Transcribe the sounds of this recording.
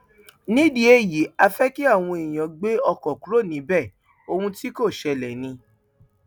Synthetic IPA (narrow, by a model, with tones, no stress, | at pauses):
nĩ˨˦di˦e˦˨ji˨˦a˧fɛ˦ki˦a˦˨w̃ũ˧i˨j̃ã˨ɡ͡be˦ɔ˧kɔ˨ku˨˦ɾo˦˨nĩ˨˦bɛ˦˨ | o˧hũ˧ti˦ko˦˨ʃɛ˧lɛ˨nĩ˧